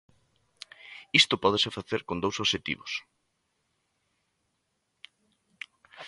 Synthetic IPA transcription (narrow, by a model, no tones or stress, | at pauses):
ist̪ʊpɔð̞esefaθeɾkond̪owsoʃet̪ḭβos